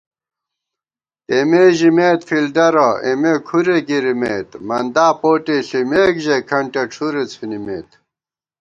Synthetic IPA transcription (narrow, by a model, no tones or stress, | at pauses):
emeʑimeːt̪fild̪ɐɾɐḛmekʰuɾeɡiɾimeːt̪mɐnd̪aːpoːʈiɬimeːkʑekʰɐɳʈeʈ͡ʂʰuɾet͡sfinimeːt̪